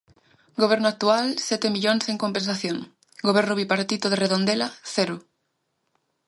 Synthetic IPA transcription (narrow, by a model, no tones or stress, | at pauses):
ɡoβ̞ɛɾnʊak̚t̪ualsɛt̪emiʎoŋseŋkompẽnsaθjoŋ | ɡoβ̞ɛɾnʊβipaɾt̪it̪oð̞ereðond̪elaθeɾʊ